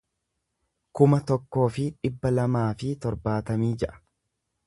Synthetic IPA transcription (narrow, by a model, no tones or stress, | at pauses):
kʊmɐt̪ɔkːo̞ːfɪᶑɪbːɐlɐmaːfɪt̪ɔɾbaːt̪ɐmiːd͡ʒɛʔɐ̥